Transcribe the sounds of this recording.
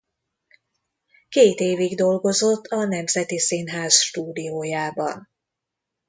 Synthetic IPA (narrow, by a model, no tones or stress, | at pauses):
keːt̪eːviɡd̪o̞lɡo̞zo̞t̪ʰːɒnɛmzɛt̪isinɦaːzʃt̪uːd̪ijoːjaːbɒ̰n